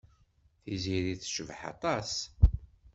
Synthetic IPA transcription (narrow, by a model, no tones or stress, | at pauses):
θiziɾiθʃəvħɑ̰t̪ˤɑs